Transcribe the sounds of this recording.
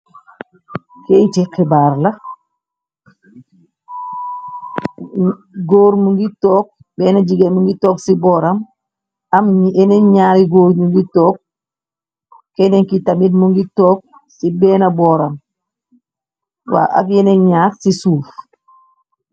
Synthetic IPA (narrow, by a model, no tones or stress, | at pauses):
keitikibaːɾlɐ | ɡoːɾmuŋɡitoːk̚ | bɛːnaɟiɡemuŋɡitoːksibɔːɾam | ɐmɲɛneɲaːɾiɡoːɾɲuŋɡitoːk̚ | eneŋkitamit̚muŋɡitoːk̚ | sibɛːnɐbɔːɾam | wa̰ːʔa̰fjɛneɲaːɾsisuːf